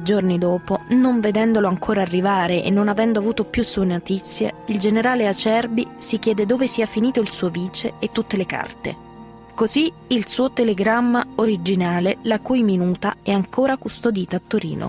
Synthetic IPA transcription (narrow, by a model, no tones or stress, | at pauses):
d͡ʒornid̪oːponoɱved̪ɛnd̪oloaŋkʰoːɾaːrːivaːɾeʔḛnːonavɛnd̪oavuːt̪opjusːuenot̪it̪sːjḛild͡ʒeneɾaːleat͡ʃɛrbisikjɛːd̪ed̪oːvesiːafiniːt̪oilsuːoviːt͡ʃeːt̪ːut̪ːeleka̰rt̪ḛ | kozi | ilsuːot̪eleɡɾamːaoɾid͡ʒinaːlelakujminuːt̪a̰ɛaŋkoːɾakust̪od̪iːt̪aːt̪ːoɾḭːno̰